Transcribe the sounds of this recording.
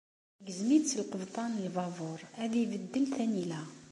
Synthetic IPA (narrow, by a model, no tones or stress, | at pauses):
ɡəzmit̪t͡sːəlqəvt̪ˤɑnəlvɑvʊɾˤæðibəd̪ːəlθænilæ